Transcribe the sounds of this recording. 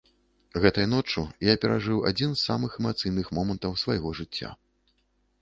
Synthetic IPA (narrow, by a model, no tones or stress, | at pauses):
ɣɛt̪ɐjɐn̪ɔt͡ʂujapʲɛɾʔaʐɨwa̰d͡zʲinzːamɨxɛmat̪sɨjnɨxmɔmɐnt̪ɐwsvajɣɔʐɨt͡sʲːa̰